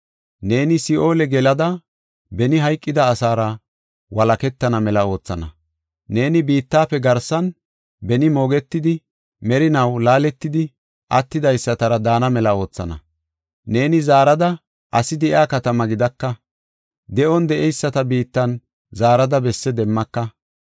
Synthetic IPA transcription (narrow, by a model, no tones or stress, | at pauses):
ne̞ːnɪsɪʔo̞ːlɛɡɛlɐd̪ɐ | bɛnɪɦɐjkʼːɪd̪ɐːsaːɾɐ | wɐlɐkɛt̪ːɐnɐmɛlɐo̞ːt͡sːɐ̰nɐ̰ | ne̞ːnɪbiːt̪ːaːpːɛɡɐɾsɐn | bɛnɪmo̞ːɡɛt̪ːɪd̪ɪ | mɛɾɪnɐwlaːlɛt̪ːɪd̪ɪ | ʔɐt̪ːɪd̪ɐjsːɐt̪ɐɾɐd̪aːnɐmɛlɐo̞ːt͡sːɐ̰nɐ̰ | ne̞ːnɪzaːɾɐd̪ɐ | ʔɐsɪd̪ɪakɐt̪ɐmɐɡɪd̪ɐkːɐ | d̪ɛʔɔnd̪ɛʔɛjsːɐt̪ɐbiːt̪ːɐn | zaːɾɐd̪ɐbɛsːɛd̪ɛmːɐkːɐ